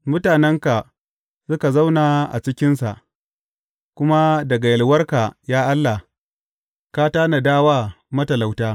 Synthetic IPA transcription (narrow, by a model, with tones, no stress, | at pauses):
mʊ˦taː˨nɛ˦ŋka˨ | sʊ˦ka˨za˦wnaː˨ʔa̰˨t͡ʃɪ˦kʲɪ˦nsa̰˨ʔ | kʷʊ˦ma˦dɐ˨ɡa˨jɐ˨lwɐ˦rka˨jaː˦ʔa˦lːa˨ | kaː˦taː˦na˨daː˦waː˦ | mɐ˦tɐ˨la˨wtaː˦